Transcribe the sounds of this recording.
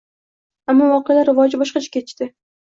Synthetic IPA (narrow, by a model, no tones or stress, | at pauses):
amːɒvɒqɨjalaɾɪvɒd͡ʒɪbɒʃqɑt͡ʃʰḁkʲʰe̞t̪ɪʃt̪ɪ